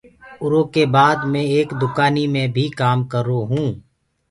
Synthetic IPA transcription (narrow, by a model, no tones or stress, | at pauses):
ʊɾõkebaːd̪mẽeːkd̪ʊkaːnimẽbʱikaːmkəɾoɦũː